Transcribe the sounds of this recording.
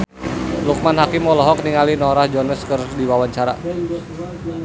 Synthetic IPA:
luk̚manhakɪmːɔlɔɦɔkniŋalinɔɾahd͡ʒɔnəskərdiwawaɲt͡ʃaɾa̰

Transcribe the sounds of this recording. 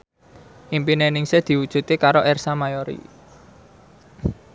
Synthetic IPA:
ʔimpinenɪŋsed̪̥i̤wud̥ʒ̥ṳt̪ikaɾoʔɛrsamajoɾḭ

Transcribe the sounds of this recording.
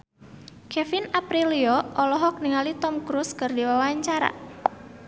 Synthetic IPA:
kɛfinapɾiliɔʔɔlɔɦɔk̚niŋalit̪ɔmkɾuskɨrdiwawaɲt͡ʃaɾa̰

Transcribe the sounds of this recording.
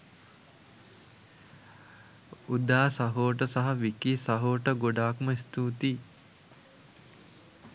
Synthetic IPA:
ud̪aːsɐɦoːʈəsɐɦɐʋikiːsɐɦoːʈəɡoɖaːkməist̪uːt̪iː

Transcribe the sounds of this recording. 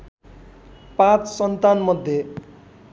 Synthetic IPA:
pãt͡ssʌnt̪anmʌd̪ʱje

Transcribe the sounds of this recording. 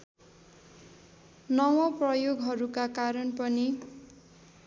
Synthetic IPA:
nʌwʌprʌjoɡɦʌɾukakaɾʌnpʌni

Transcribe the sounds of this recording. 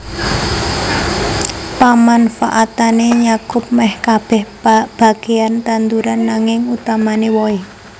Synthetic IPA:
pamanfa̰ʔat̪aneɲakʊp̚mɛhkab̥ɛh | b̥a̤ɡ̥e̤ant̪ant̪uɾanːaŋɪŋut̪amanewɔe

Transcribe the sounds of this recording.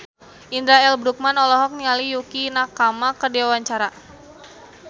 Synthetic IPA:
ʔindɾaɛlbɾuk̚manɔlɔɦɔk̚nialijukinakamakərdiwawaɲt͡ʃaɾa

